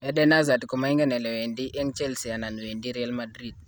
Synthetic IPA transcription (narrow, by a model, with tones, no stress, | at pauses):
ɛ˦dɛna˦za˨tkɔ˨ma˨i˦ŋɡɛ˦nɛ˨lɛ˨we˨ndi˦ʔɛ˦ŋt͡ʃɛ˦lsi˨a˨na˨n˨we˨ndi˦ɾialmadɾid̚